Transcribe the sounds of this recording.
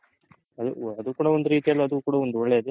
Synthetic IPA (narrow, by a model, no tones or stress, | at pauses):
ɐd̪uɐd̪ukuːɽɐond̪uɾiːt̪ijɐlːɐɐd̪ukuːɽɐond̪uoɭːeid̪e